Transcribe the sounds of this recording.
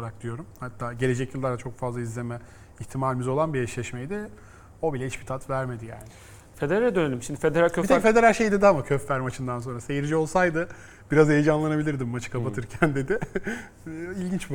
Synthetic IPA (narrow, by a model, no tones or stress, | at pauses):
aɾak̚d̪ijo̞ɾumhat̪ʰːaːɟe̞lʲe̞d͡ʒɛcjɯlˠːaɾd̪at͡ʃʰo̞kfazlˠaizlʲe̞mɛ | içt̪ʰimaːlʲimizo̞lˠanbijɛʃlʲɛʃmejd̪ɪ | o̞bilʲɛiʃbi̥t̪ʰat̪væɾme̞d̪ija̰ːnɪ | fe̞d̪eɾalʲɛd̪ønelʲimʃimd̪ifed̪eɾalʲʰøt̪efe̞d̪e̞ɾalʲʃejd̪id̪amacʰøfːæɾmat͡ʃʰɯnd̪ans̬o̞nɾase̞jiɾd͡ʒio̞lˠsajd̪ɯ | b̥iɾazhejed͡ʒanlˠanabilʲiɾd̪imːat͡ʃʰɯ̥kʰapat̪ʰɯɾcʰænd̪e̞d̪ɪ | ilʲɟint͡ʃb